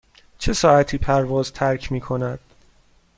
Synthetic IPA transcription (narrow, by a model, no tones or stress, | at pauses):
t͡ʃʰe̞sɒːæt̪ʰiːpʰæɾvɒːzt̪ʰæɾkʰmiːkʰo̞næd̪̥